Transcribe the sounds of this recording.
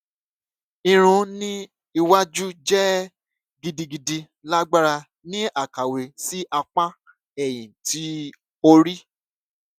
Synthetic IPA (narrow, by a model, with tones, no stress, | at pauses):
i˧ɾ̃ũ˧˦nĩ˦ | i˧wa˦d͡ʒu˦d͡ʒɛ˦ | ɡi˧di˧ɡi˧di˧ | la˦ɡ͡ba˦ɾa˧ | nĩ˦a˦˨ka˨we˨si˦ʔa˧k͡pã˦ | ɛ˨j̃ĩ˨ti˨˦ | o˧ɾi˦